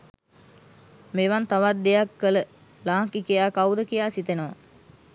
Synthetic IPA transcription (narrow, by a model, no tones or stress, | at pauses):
meʋant̪aʋat̪̚d̪ejakːələ | laːŋkikijaːkawd̪əkijaːsit̪enəʋa̰